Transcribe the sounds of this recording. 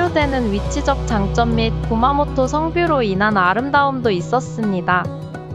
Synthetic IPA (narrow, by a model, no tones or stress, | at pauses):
odwe̞nɯnɥit͡ɕʰid͡ʑʌk̚t͡ɕ͈aŋt͡ɕ͈ʌmːit̚kumamotʰosʰʌŋbjoɾoinanaɾɯmdaɯmdois͈ʌs͈ɯmɲida